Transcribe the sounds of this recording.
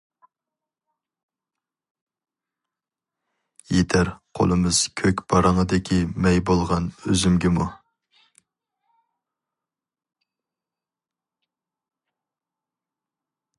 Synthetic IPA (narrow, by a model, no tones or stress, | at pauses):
jet̪ʰæɾqʰo̰lˠɨmɨz̥kʲʰøkʲb̥ɑɾɑŋəd̪ɪkʲʰimɛjbolˠʁɑnøzymɡʲɪmu